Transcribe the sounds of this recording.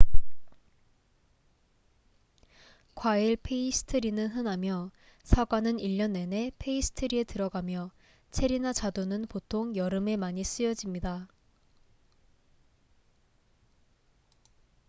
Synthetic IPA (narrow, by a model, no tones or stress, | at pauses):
kwaiɭpʰe̞isʰɯ̥tʰɯɾinɯnɦɯnamjʌ | sʰaɡwanɯniʎːʌnːe̞ne̞pʰe̞isʰɯ̥tʰɯɾie̞tɯɾʌɡamjʌ | t͡ɕʰe̞ɾinat͡ɕadonɯnpotʰoŋjʌɾɯme̞maɲis͈ɯjʌd͡ʑimɲida